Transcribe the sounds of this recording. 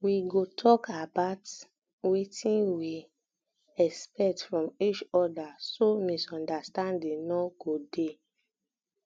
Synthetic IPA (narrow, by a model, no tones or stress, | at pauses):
wiɡotʰɔkabaʊt | wetʰĩnwi | ɛkspɛtfɹɔ̃mit͡ʃɔdasomisɔ̃ndastãndĩnnɔɡ̥ode